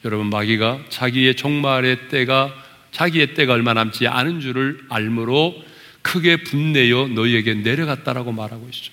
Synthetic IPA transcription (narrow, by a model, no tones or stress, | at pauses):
jʌɾʌbunmaɡiɡat͡ɕaɡie̞t͡ɕʌŋmaɾet͈eɡa | t͡ɕaɡie̞t͈e̞ɡaʌɭmanaɦmt͡ɕ͈iʔa̰nɯnd͡ʑuɾɯɭaɭmɯɾo | kʰɯɡe̞punːe̞jʌnʌie̞ɡe̞ne̞ɾjʌɡat̚t͈aɾaɡomaɾɦaɡoɦet͡ɕ͈o̥